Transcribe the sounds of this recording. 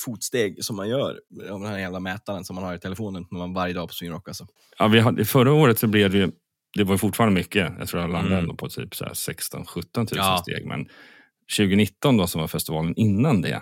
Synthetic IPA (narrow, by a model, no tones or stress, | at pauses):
fuːt̪st̪eːɡsɔmːanjœːɾɔmd̪ɛnæɾheːlamɛːt̪aɾənsɔmːanhaɾɪt̪ʰɛlɛfoːnənmɛmanvaɾjəd̪ɑːpʰɔ̥sviːnɾɔkːasɔ | ɑ̰vɪɦad̪fœɾːaoːɾət̪sɔblɛvɪj | d̪̥ɛvaɾjʏfʊʈːfɑːɾand̪əmʏkːəjɑ̰t̪ɾuːɾaland̪aɛnd̪ɔpʰɔt̪ʰy̰ːpsɔæ̰sɛkst̪ɔ̰nɧɵt̪ːɔnt̪ʰʉ̟ːsst̪ḛːɡmʔɛ̰n | ɕʉ̟ːɡənɪt̪ːɔnd̪ɔsɔmvaɾfɛst̪ɪvɑːlənɪnːand̪ɛ̰